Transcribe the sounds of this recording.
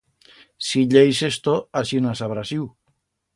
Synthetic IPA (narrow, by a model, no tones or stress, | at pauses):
siʎejsest̪oasinasaβɾasiw